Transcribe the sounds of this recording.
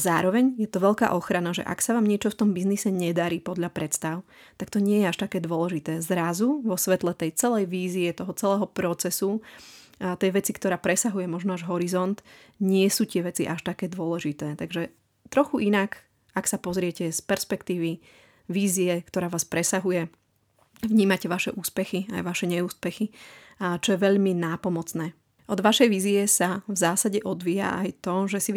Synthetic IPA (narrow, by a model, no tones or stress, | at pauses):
zaːɾɔʋɛɲjɛt̪ɔʋɛʎka̰ːʔɔxɾanaʒɛ̰ʔa̰ksaʋaːmɲɪɛt͡ʃɔft̪ɔmbiznisɛɲɛd̪aɾiːpɔd̪ʎapɾɛt̪st̪aʊ | t̪akt̪ɔɲɪɛjɛaʃt̪akɛːd̪ʊɔlɛʒit̪ɛːzɾazuʋɔsʋɛt̪lɛt̪ɛjt͡sɛlɛjʋiːziɛt̪ɔɦɔt͡sɛlɛːɦɔpɾɔt͡sɛsu | t̪ɛjʋɛt͡sikt̪ɔɾaːpɾɛsaɦujɛmɔʒnɔaʒɦɔɾizɔnt̪ | ɲɪɛsuːt̪ɪɛʋɛt͡sḭʔaʃt̪akɛːd̪ʊɔlɛʒit̪ɛːt̪aɡʒɛ | t̪ɾɔxuʔinak | aksapɔzɾɪɛcɛspɛɾspɛkt̪iːʋi | ʋiːziɛkt̪ɔɾaːʋaːspɾɛsaɦujɛ | ʋɲiːmacɛʋaʃɛ̰ʔuːspɛxia̰jʋaʃɛɲɛuːspɛxi | t͡ʃɔjɛʋɛʎminaːpɔmɔt͡snɛː | ɔd̪ʋaʃɛjʋiːziɛsavzaːsaɟɛʔɔd̪ʋiːja̰a̰jt̪ɔʒɛsi